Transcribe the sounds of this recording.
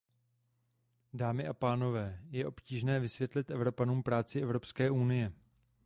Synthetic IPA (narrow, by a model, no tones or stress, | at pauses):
daːmɪʔapaːno̞vɛːjɛʔopciːʒnɛːvɪsvjɛt̪lɪt̪ʔɛvɾo̞panuːmpɾaːt͡sɪʔɛvɾo̞pskɛːʔunɪjɛ